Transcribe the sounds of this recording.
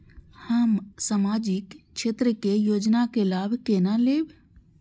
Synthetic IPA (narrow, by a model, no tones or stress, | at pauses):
həmsaːmaːd͡ʒɪkʃeːt̪ɾəkejoːd͡ʒnakelaːbʱkenaleːb